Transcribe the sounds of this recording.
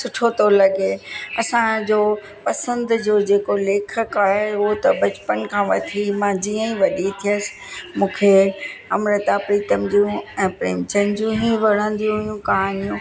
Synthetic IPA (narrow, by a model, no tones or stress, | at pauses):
sʊʈʰot̪olɐɡeɐsãd͡ʑoː | pɐsə̃nd̪d͡ʑoːd͡ʑeːkoleːk̆ʰkaːɦeʊɦot̪ɐbɐt͡ɕpənkʰãːʋɐt̪ʰimãd͡ʑiːə̃ĩʋɐɗit̪ʰiəsɪ̥ | mũːkʰeɐmɾət̪apɾit̪əmd͡ʑijũɛ̃ːpɾḛːmt͡ɕənd͡ʑũɦiʋɐɽ̤ə̃ːn̆d̪ijũɦʊjũkɐɦaːnijũ